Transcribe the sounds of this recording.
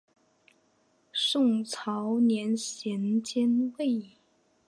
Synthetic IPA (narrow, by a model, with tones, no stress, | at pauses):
ʂʊ˥˧ŋt͡sʰɑ˧˥ʊnjɛ˧˥nɕjɛ˧˥nt͡ɕjɛ˥nwe˥˩ɪ